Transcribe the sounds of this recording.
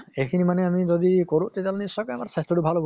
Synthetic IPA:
ekʰinimaneamid͡ʒod̪ikoɾuʔt̪et̪alnisɔkɔamaɾsastɔʈubʱalob

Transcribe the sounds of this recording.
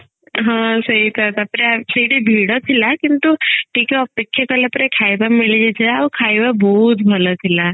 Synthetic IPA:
ɦãsəɦit̪ʰat̪apɾesəɦiʈibʱiɽot̪ʰilakint̪uʈʰiːkeɔpekʰːjakəlapɾekʰajbamilid͡ʒet͡ʃʰeaukʰajbabɔɦut̪bʱəlot̪ʰila

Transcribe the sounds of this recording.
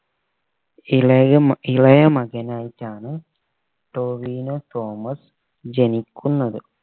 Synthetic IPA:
iɭɐjɐmɐɣɐnaːjitːaːɳɨ | ʈoːʋiːnot̪oːmɐs | d͡ʑenikʲʰːunːɐðɨ

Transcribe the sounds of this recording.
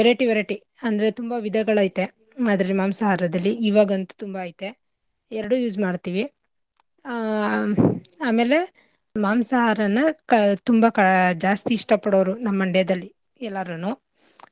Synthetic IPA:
ʋɛɾeʈiʋɛɾeʈi | ɐnd̪ɐɾet̪umbɐʋid̪ʱɐɡɐɭaːjt̪e̞ | aːd̪ɐɾɐlimaːmsɐɦaːɾɐd̪ɐlːiiːʋaːɡɐnt̪u̥t̪umbɐːjt̪ːe̞ | ɛɾɐɽujuːd͡ʒmaːɽt̪iːʋi | aːme̞ːle̞ | maːmsɐɦaːɾɐnːɐkɐt̪umbɐkɐd͡ʒaːst̪iːʂʈɐpɐɽoʋɐɾunɐmːɐɳɖɛd̪ɐlːi | ɛlːaːɾunuː

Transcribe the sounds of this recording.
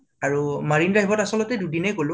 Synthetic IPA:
aɹumaɹinɹaɦibɔtasɔlɔtɛdudinɛɡolʊ̃

